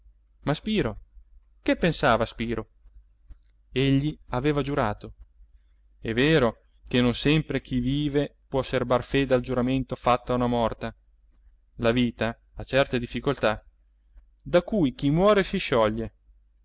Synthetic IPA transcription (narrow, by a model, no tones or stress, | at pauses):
maspiːɾo | kepːensaːvaspiːɾo | eʎːiaveːvad͡ʒuɾaːt̪o | ɛvːeːɾo | kenonsɛmpɾek̟ʰiviːvepwɔsːerbarfeːd̪eald͡ʒuɾament̪ofat̪ːaːunamɔrt̪a | laviːt̪aː | t͡ʃɛrt̪ed̪ifːikolt̪a | d̪akujk̟imwɔːɾesiʃɔʎːe